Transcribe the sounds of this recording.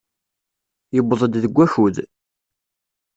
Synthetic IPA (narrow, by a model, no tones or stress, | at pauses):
jəbːðˤəd̪ðəɡʷːæçuð